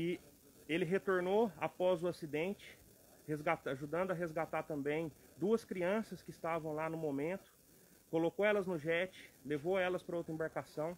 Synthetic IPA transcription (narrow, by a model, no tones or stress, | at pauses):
ɪ | elɪɦet̪oɾnoa̰pɔzʊasid̪ẽnt͡ʃɪ̥ | hezɡat̪aʒud̪ɐ̃nd̪ʊɐɦezɡat̪at̪ɐ̃mbẽj̃ | d̪uɐskɾiɐ̃sɐskɪːst̪avɐ̃w̃lanʊmomẽnt̪ʊ̥ | kolokoɛlɐznʊʒɛt͡ʃɪ̥levowɛlɐspɾɐowt̪ɾẽbaɾkasɐ̃w̃